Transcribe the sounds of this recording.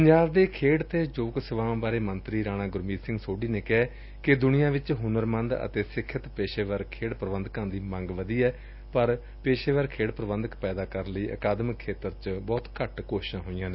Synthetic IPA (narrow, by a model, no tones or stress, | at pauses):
pəɲd͡ʒaːbd̪eːkʰeːɽt̪eːd͡ʒoːksɪʋãːbaːɾeːmənt̪ɾiːɾaːɽ̃ãːɡʊɾmiːsɪ̃ŋɡsoːɖiːneːkɛː | kɪd̪ʊnijãːʋɪt͡ʃɦʊnəɾmənd̪ə̰t̪eːsɪkʰːət̪peːʃeːʋəɾkʰeːɽpɾəʋə̃nd̪kãːd̪iːmə̃ŋɡʋəd̪iːɛː | pəɾ | peːʃeːʋəɾkʰeːɽpɾəʋənd̪əkpɛːd̪aːkəɾənləiːʔə̰kaːd̪məkʰːeːt̪əɾt͡ʃbɔːt̪kəʈkoːʃʃãːɦoːijãːneː